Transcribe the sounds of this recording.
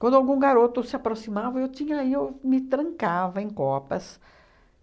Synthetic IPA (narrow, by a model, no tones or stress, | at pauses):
kwɐ̃nd̪awɡũɡaɾot̪ʊsɪapɾosimavɐewt̪ĩɲɐiewmɪt̪ɾɐ̃ŋkavɐẽj̃kɔpɐs